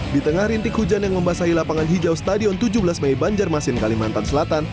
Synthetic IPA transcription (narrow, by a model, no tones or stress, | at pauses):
dit̪əŋahɾint̪ɪkhud͡ʒanjaŋməmbasailapaŋanɦid͡ʒawst̪adiɔnt̪ud͡ʒubəlasmajbaɲd͡ʒarmasɪnkalimant̪ansəlat̪an